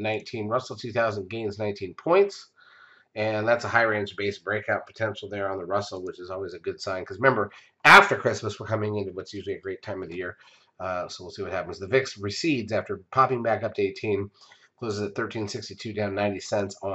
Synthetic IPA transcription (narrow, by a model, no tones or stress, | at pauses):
nãɪ̃ntʰĩnɹʌsl̩ˠtʰʉθaʊzə̃nɡẽɪ̃nznãɪ̃ntʰĩnpʰɔ̃ɪ̃nts | ɨ̃nðætsəhaɪɹæ̃ɪ̃nzəbeɪsb̥ɹeɪkaʊt̚pʰə̥tʰɛ̃nʃl̩ˠðə˞ə̃nðəɹʌsl̩ˠwət͡ʃɨzɔlˠwizɨɡʊd̥sãɪ̃nkʰʌzɹɪmɛ̃mbə˞ | æftə˞kʰɹ̥ɪsməswəkʰʌmɪ̃ŋɪ̃ntʉwʌtsjʉʒl̩ˠiɨɡɹeɪtʰãɪ̃mʌvðɨjɪɹ | soʊwɪlˠsiwʌt̚hæpn̩zðɨvɪksɹɨsidzæftə˞pʰɑpɪ̃ŋbækʌp̚tʰɨeɪtʰĩn | kʰl̥oʊzɨzɨt̪̚θɜ˞tʰĩnsɪkstitʰʉdãʊ̃nːãɪ̃ntisɛ̃nts